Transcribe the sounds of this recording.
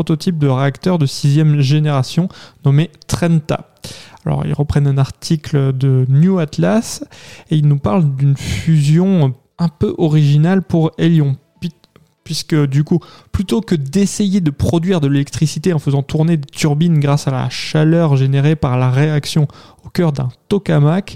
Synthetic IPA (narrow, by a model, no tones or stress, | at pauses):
ɔt̪ɔt̪ip̚d̪əʁeakt̪œʁd̪əsizjɛmʒeneʁasjɔ̃nɔmet̪χɛ̃nt̪a̰ | alɔ̰ʁḭlʁəpχɛnɛ̃naʁt̪ʰikld̪ənjuat̪laseilnupaʁld̪ynfyzjɔ̃ | ɛ̃pøʔɔʁiʒinalpuʁeljɔ̃pi | pɥiskəd̪ykuplyt̪okəd̪esejed̪əpχɔd̪ɥiʁd̪əlelɛk̚t̪χisit̪eɑ̃fəzɑ̃t̪uʁned̪et̪yʁbinɡʁasala̰ʃalœʁʒeneʁepaʁlaʁeaksjɔ̃okʲœʁd̪ɛ̰̃t̪ɔkamak